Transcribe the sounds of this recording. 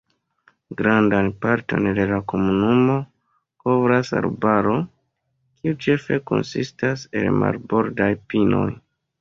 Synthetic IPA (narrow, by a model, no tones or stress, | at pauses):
ɡɾandanpaɾto̞̰nde̞lako̞munumo̞ | ko̞vɾasa̰ɾbaɾo̞ | kʰiut͡ʃe̞fe̞ko̞̰nsistase̞lma̰ɾbo̞ɾdajpino̞̰j